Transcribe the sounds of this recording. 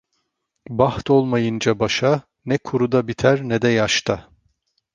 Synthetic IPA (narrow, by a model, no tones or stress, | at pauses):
baxt̪ʰo̞lˠmajɯnd͡ʒabaʃa | nɛkʰuɾud̪abit̪ʰæɾnɛd̪ɛjaʃt̪ʰa